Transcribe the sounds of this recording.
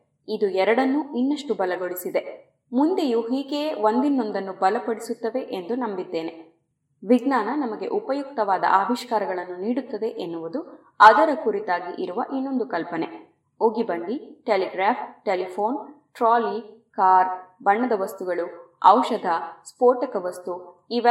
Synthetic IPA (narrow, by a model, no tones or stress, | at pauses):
id̪uɛɾɐɽɐnːuinːɐʂʈubɐlɐɡo̞ɭisid̪e̞ | mund̪ejuɦiːɡe̞ːʋo̞nd̪inːo̞nd̪ɐnːubɐlɐpɐɽisut̪ːɐʋe̞ʔend̪unɐmbid̪ːe̞ːne̞ | ʋiɡnaːnɐnɐmɐɡe̞̰ʔupɐjukt̪ɐʋaːd̪ɐ̰ʔaːʋiʃkaːɾɐɡɐɭɐnːuniːɽut̪ːɐd̪e̞ʔenːuʋud̪u | ɐd̪ɐɾɐkuɾit̪aːɡiʔiɾuʋɐʔinːo̞nd̪ukɐlpɐne̞ | uɡibɐnd̪iʈeliɡɾaːpʰʈelipʰo̞ːnʈɾaːlikaːɾbɐɳːɐd̪ɐʋɐst̪uɡɐɭuɐwʃɐd̪ɐspoːɾʈɐkɐʋɐst̪uiʋɐ